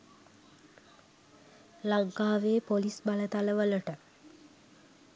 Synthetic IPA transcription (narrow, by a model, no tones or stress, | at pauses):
laŋkaːʋeːpolisbalət̪aləʋələʈə